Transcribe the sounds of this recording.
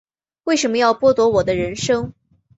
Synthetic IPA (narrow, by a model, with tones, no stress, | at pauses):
we˥˩ɪʂə˧˥nmə˧jɑ˥˧ʊpwɔ˥˩t̪wɔ˧˥wɔ˨˩d̪ə˦ɻə˧˥nʂɤ˥ŋ